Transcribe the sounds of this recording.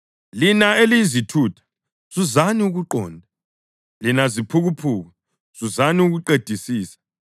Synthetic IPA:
linaelizitʰuːtʰḁ | z̥uzaniuɣuǃɔːndʱa | linazipʰuɣupʰuːɣa | z̥uzaniuɣuǃed̥ʱisiːsḁ

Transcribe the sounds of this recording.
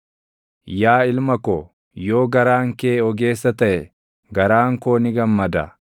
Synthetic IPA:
jaːɪlmɐko | jo̞ːɡɐɾaːŋkeːɔɡe̞ːsːɐt̪ɐʔɛ | ɡɐɾaːŋkoːnɪɡɐmːɐd̪ɐ̰

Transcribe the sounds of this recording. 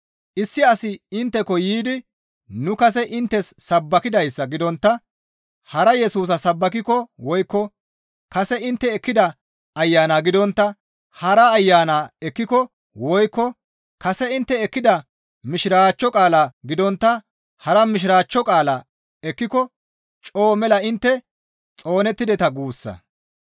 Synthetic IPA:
ʔɪsːɪɐsɪɪnt̪ːɛkɔjiːd̪ɪ | nʊkɐs̬ɛʔɪnt̪ːɛsːɐbːɐkɪd̪ɐjsːɐɡɪd̪ɔnt̪ːɐ | hɐɾɐjɛsuːs̬ɐsɐbːɐk̬ɪkɔwɔjkːɔ | kɐsɛɪnt̪ːɛːkːɪd̪ɐː | jːaːnaɡɪd̪ɔnt̪ːɐ | hɐɾɐːjːaːnaːɛkːɪkɔ | wɔjkːɔ | kɐsɛɪnt̪ːɛːkːɪd̪ɐ | mɪʃɾaːt͡ʃːɔkʼaːlɐɡɪd̪ɔnt̪ːɐ | hɐɾɐmɪʃ̬ɪɾaːt͡ʃːɔkʼaːlɐ | ɛkːɪkɔ | t͡ʃʼo̞ːmɛlɐɪnt̪ːɛ | t͡sʼo̞ːnɛt̪ːɪd̪ɛt̪ɐɡuːsːɐ̰

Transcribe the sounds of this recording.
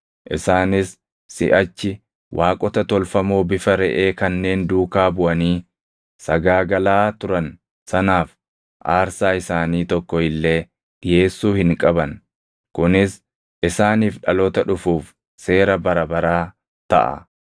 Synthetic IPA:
ʔɪsaːnɪsː | ɪ̰ʔɐt͡ʃːɪ | wʔaːkʼɔt̪ɐt̪ɔlfɐmoːbɪfɐɾɛʔe̞ːkɐnːe̞ːnd̪uːkaːbʊʔɐniː | sɐɡaːɡɐlaːt̪ʊɾɐn | sɐnaːf | ʔaːɾsaːɪsaːniːt̪ɔkːɔhɪlːe̞ː | ᶑɪje̞ːsːuːhɪŋkʼɐbɐn | kʊnɪs | ʔɪsaːniːfᶑɐlɔt̪ɐᶑʊfuːf | se̞ːɾɐbɐɾɐbɐɾaː | t̪ɐ̰ʔɐ̰

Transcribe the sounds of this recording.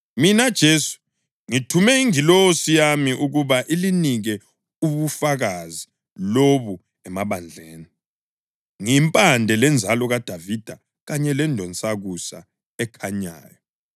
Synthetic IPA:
minad̥ʒ̥ʱesu̥ | ŋitʰumɛiŋilosijamiʔuɣuβaʔiliniɣɛ | uβufaɣazi | loβu | ɛmaβand͡ɮʱeːni | ŋimpʼandʱɛlɛnd͡zʱalɔɣad̥ʱavid̥ʱa | ɣaɲɛlɛndʱɔnt͡sʼaɣusa̰ | ɛkʰaɲa̰ːjɔ

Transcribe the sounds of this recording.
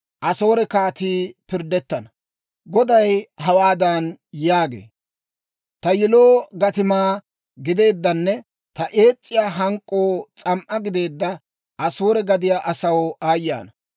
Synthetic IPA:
ʔɐso̞ːɾɛkaːt̪iːpɪɾd̪ɛt̪ːɐnɐ | ɡɔd̪ɐjɦɐwaːd̪ɐnjaːɡḛː | t̪ɐjɪloːɡɐt̪ɪmaː | ɡɪd̪e̞ːd̪ːɐnːɛ | t̪ɐʔe̞ːt͡sʼːɪjaːɦɐŋkʼːo̞ːt͡sʼɐmʔɐɡɪd̪e̞ːd̪ːɐ | ɐso̞ːɾɛɡɐd̪ɪjaːʔɐsɐwaːjːa̰ːnɐ

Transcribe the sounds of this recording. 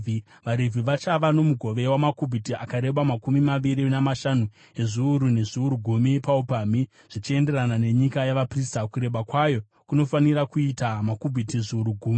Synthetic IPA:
i | ʋaɾevʱiʋat͡ʃaʋano̞muɡʱo̞ʋe̞wamakubʱitiakaɾe̞ɓamakumimaʋiɾinamaʃanu | e̞ʐiuɾune̞ʐiuɾuɡʱumipaupaːmi | ʐ̥it͡ʃie̞nde̞ranane̞ɲikajaʋapristakuɾe̞ɓakwajo̞ | kuno̞faniɾakuitamakubʱitiʐiuɾuɡʱuːmi

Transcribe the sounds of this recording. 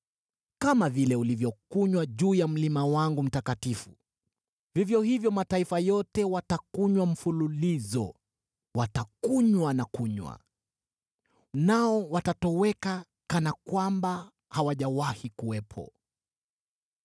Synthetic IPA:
kamavilɛulivjɔkuɲwaʄuːjam̩limawaŋɡum̩takatifu | vivjɔhivjɔmataifajɔtɛwatakuɲwam̩fululizɔ̰ | watakuɲwanakuɲwa̰ | naɔwatatɔwɛka | kanakwamba | hawaʄawahikuwɛpʰɔ̰

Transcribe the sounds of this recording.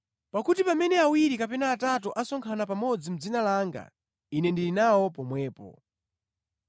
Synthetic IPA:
pakutipamɛnɛawiɾikapɛnaːtatɔʔasɔŋkʰanap̬amɔd͡zim̩d͡zinalaŋɡa̰ | inɛndilinawɔpɔmwɛːpɔ̰

